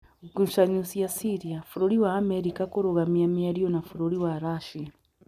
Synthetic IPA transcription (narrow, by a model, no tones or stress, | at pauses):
ɡuʃaɲusijasiɾiafuɾoɾiwaːmeɾikakoɾoɣamiamiaɾijonafuɾoɾiwaɾaʃia